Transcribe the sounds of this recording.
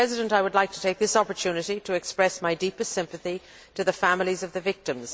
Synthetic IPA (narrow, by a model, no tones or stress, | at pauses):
ɛzɨɾə̃ntaɪwədˡlaɪk̚tʰə̥tʰeɪk̚ðɪsɑpə˞tʰʉnɨɾiɾɨːkspɹɛsmaɪdipɨstsɪ̃mpɨθi | ɾɨðɨfæ̃mlˠizʌvðɨvɪk̚tɨ̃mz̥